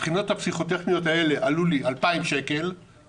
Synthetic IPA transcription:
pχino̞thapsiχo̞t̪ːeχnijo̞tae̞le̞ʔaluliʔalpaimʃe̞ke̞l

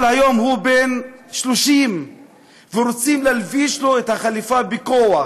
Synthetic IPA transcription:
lhajo̞mɦubenʃloʃim | veɾot͡simlalviʃlo̞et̪haχalifabikoa

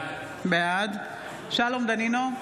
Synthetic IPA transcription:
bead̪ | ʃalomd̪anino

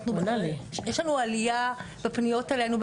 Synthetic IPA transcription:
nunalejeʃlanualijabepnijo̞telenub

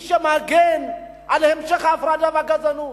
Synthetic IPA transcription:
ʃamaɡɛn | alɛhɛmʃɛχavɾadavaɡad͡zanu

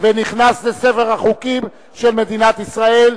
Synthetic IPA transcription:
veniχnaslesefe̞ʁhaχukim | ʃelme̞d̪inat̪isʁae̞l

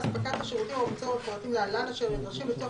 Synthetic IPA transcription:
spakat̪haʃeʁut̪imamat͡soapoʁat̪imlealanaʃelmed̪ʁaʃimbet̪o

